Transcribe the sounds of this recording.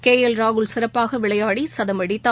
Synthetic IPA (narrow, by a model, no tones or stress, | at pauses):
keːjɐlɾaːɣɯɭsɪɾɐpːaːɣɐʋɪɭɐjaːɽisɐðɐmɐɽɪt̪ːaː